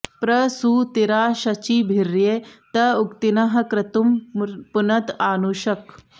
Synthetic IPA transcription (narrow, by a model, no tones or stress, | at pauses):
pɾɐsuːt̪iɾaːɕɐt͡ɕiːbʱiɾjet̪ɐukt̪inɐɦɐkɾɪt̪umpunɐt̪aːnuɕɐk